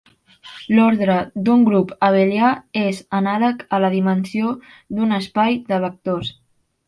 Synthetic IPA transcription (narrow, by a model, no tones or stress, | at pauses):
lɔɾðɾəd̪uŋɡɾupəβeljaezənaləkələðimənsio | ðunəspajd̪əβək̚t̪os